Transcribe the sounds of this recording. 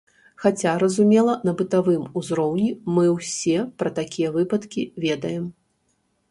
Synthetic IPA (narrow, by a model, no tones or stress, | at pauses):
xat͡sʲaɾɐzumʲɛlˠɐnɐbɨt̪avɨmuzɾɔwnʲimɨwsʲɛpɾɐt̪akʲijɐvɨpɐt̪kʲivʲɛd̪ɐjɛm